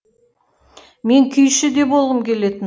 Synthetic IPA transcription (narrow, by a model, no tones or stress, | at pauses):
me̞ŋkʲʰʏjʃɪd̪e̞bo̞lˠʁəmkʲʰe̞le̞t̪ɪm